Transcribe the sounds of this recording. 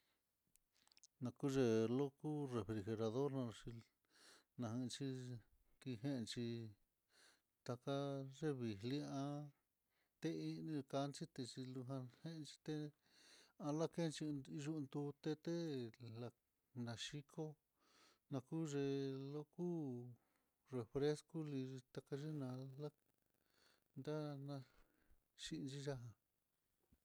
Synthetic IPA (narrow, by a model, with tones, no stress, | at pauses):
nã˧ku˦ʒe˧lo˦ku˦re˨fɾi˧xe˧ɾa˧ðo˦ɾnã˧t͡ʃi˧ | nã˧hĩ˧t͡ʃi˧ | ki˧ɦẽ˦ʔt͡ʃi˧ | t̪a˧ka˦ʐe˦βi˨li˦ã˦ | t̪e˦ĩ˦˧nĩ˧ka˧˦˧nt͡ʃi˦t̪e˧t͡ʃi˧lu˧ɦã˧hẽ˦˧t͡ʃi̥˧t̪e˦ | ã˧la˦ke˦˧t͡ʃi˧ʒu˧nd̪u˧t̪e˧t̪e˦la˧ | nã˨ʃi˦kʰo˦ | nã˧ku˦ʐe˧lo˦ku˦ | re˨fɾe˦sku˦li˧i˧t̪a˧ka˧ʒi˦nã˧la˦ | nd̪a˦nã˧ | ʃi˧˦˧t͡ʃi˦ʒa˦ɦã˧